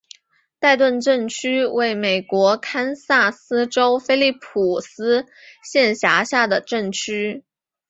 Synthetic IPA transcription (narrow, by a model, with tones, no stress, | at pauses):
t̪a˥˧ɪt̪wə˥˧nʈ͡ʂə˥˩nt͡ɕʰy˥we˥˩ɪme˨˩ɪkwɔ˧˥kʰa˥nsa˥˩sɹ̩˥ʈ͡ʂo˥ʊfe˥ɪli˥˩pʰu˨˩sɹ̩˥ | ɕjɛ˥˩nɕja˧˥ɕja˥˩d̪ə˩ʈ͡ʂə˥˩ŋt͡ɕʰy˥